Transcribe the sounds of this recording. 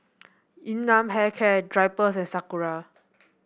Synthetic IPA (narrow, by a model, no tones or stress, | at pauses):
ĩnːãmɦɛkʰɛdɹajpəs̬ɛ̃nsakuɹa